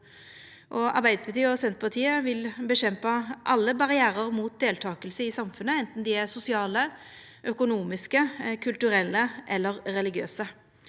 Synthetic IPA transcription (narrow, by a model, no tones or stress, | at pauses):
ʔɔɑ̰ʁbæɪd̪əpɑt̪yːɔsɛnt̪pʰɑʁt̪ʰiːəʋɪlbəɕɛmpɑʔɑlːəbɑʁɪæːʁəʁmuːt̪̚d̪eːlt̪ʰɑːkəlsəɪsɑmfʉnəɛnt̪nd̪iːæʁsʊsɪɑːlə | ʔœkʊnuːmɪskəkʰʉlt̪ʉɾɛlːəʔɛlːəʁːɛlɪɡɪøːsə